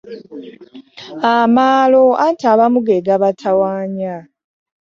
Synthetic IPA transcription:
amaːloʔantaβamuɡeɡaβatʰawaːɲa

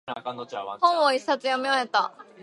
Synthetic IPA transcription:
hõɰ̃oisat͡sɨjameahet̪ːa

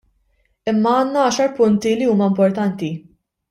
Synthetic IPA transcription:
ɪmːɐɐːnːɐɐːʃɐɾpʊnt̪iliuːmɐɪmpɔɾt̪ɐnt̪i

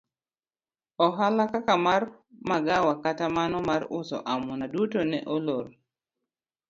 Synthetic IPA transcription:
ɔɦalakakamar | maɡawakatamanɔmaɾʊ̰sɔ̰ʔamɔnadutonɛʔoloɾ

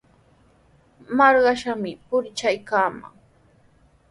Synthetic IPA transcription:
mɑɾɢɑʃamɪpʊɾt͡ʃajkaːma̰ŋ

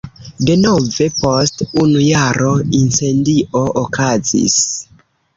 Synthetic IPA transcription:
de̞no̞ve̞po̞stunujaɾʔo̞inse̞ndiʔo̞ʔokazḭs

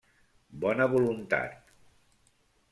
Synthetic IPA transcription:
bɔnəβulunt̪a̰t̪

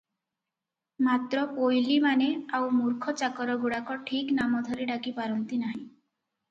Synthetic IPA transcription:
mat̪ɾɔpojlimaneawmuɾkʰɔt͡ʃakɔɾɔɡuɽakɔʈʰiknamɔd̪ʱɔɾiɖakipaɾɔnt̪inaɦĩ

